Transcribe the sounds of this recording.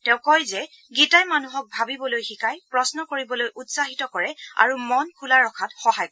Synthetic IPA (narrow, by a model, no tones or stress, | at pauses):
tɛ̃ʊ̃kɔjzɛ | ɡitajmanuɦɔk̚bʱabibɔlojxikajpɹɔsnɔkoɹibɔlojʔutsaɦitɔkɔɹɛa̰ɹumɔnkʰulaɹɔkʰatxɔɦajk